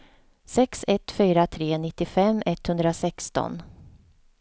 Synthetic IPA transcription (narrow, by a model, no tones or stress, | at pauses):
sɛksɛt̪fyːɾat̪ʰɾeːnɪt̪ːɪfɛmːɛt̪ːhɵnd̪ɾasɛkst̪ɔ̰n